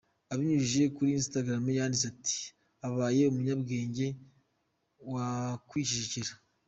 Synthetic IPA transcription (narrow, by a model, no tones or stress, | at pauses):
aβiɲuʒiʒe̞kuɾiːnstaɡɾamejaːndisati̥ | aβaːje̞umuɲabɡe̞ːɲɟe̞ | wakwiːʃiʃiciɾa